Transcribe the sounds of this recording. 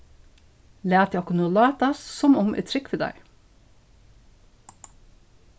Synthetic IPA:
læːt̪ʰɑkʊnuːlɑːt̪ɑssɔmʊmʔɛ̰t̪ʰɾʏkfəd̪æ̰ɪ

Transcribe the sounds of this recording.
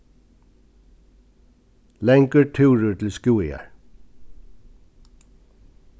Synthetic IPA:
lɛŋkəɹʈʰʉːɹʏt̪ʰɪlskuːɪa̰ɹ

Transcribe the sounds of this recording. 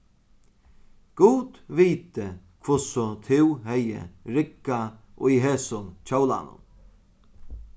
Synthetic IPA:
ɡ̥uːd̪viːt̪ə | kʰvʊsɔt̪ʰɪwɦɛjə̰ɾɪkːaʔʊjɦeːsʊnt͡ʃʰowla̰nʊ̰m

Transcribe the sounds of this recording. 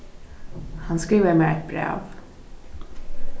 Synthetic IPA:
hanskɾiːʋəɾmeːɾɛt̪̚bɾɛ̰ːv

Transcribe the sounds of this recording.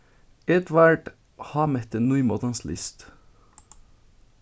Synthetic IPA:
ɛt̪ʋæɖ | hɑːmɛt̪ənuʏmoːt̪ɑnslɪ̰st̪

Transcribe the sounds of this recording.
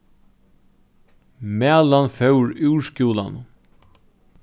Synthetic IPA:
mæːlanfœwɹʉwscuːla̰n

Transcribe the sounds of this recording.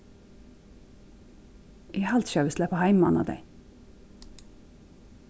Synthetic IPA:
ʔihɑlt̪ʃøːʋəslæpɑhæɪmmɑ̰ːnɑ̰ːd̪æ̰ɪ

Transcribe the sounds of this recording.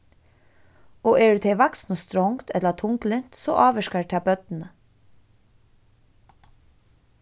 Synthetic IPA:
oːʔeːɖʉːt̪ʰeʋɑksnɔst̪ɾɔŋt̪ʰɛt̪lət̪ʰʊŋklənt̪so̰ːʔɑːʋəʃkəʈʰæbœt̪n̩ə

